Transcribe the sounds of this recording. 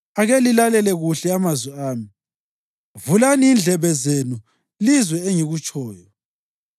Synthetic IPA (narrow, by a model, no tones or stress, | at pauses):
aɣelilalɛlɛɣuɬɛamazwɛaːmi | vulaniːnd͡ɮʱɛβɛzenu | lizwɛeŋiɣut͡ʃʼʰɔːjɔ